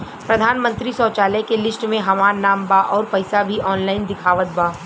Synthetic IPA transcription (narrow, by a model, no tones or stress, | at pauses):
pɾɐd̪ʱaːnmə̃nt̪ɾisɔːt͡ʃaːlɛkelɪsʈmẽɦɐmaːɾnaːmbaʔɔːɾpɐɪsabʱiʔɔːnlaːɪnd̪ɪkʰaːʋət̪̚baː